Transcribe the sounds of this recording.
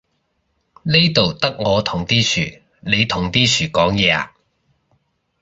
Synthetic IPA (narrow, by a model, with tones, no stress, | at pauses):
ne˥jt̪o˨wt̪ɐ˥k̚ŋɔː˨˧t̪ʰʊ˨˩ŋt̪iː˥sʰyː˨˩ | ne˨˧jt̪ʰʊ˨˩ŋt̪iː˥sʰyː˨˩kɔː˨˥ŋjɛː˨˧a̰ː˧˨